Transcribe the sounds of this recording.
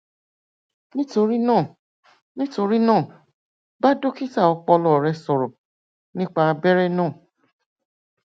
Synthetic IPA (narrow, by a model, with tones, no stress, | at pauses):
nĩ˦to˧ɾi˦nãː˦˨ | nĩ˦to˧ɾi˦nãː˦˨ | ba˦do˦ki˦ta˦˨ɔ˧k͡pɔ˧lɔ˨ɾɛ˧sɔ˨ɾɔ˨ | nĩ˦k͡pa˧bɛ˦ɾɛ˦˨nãː˦˨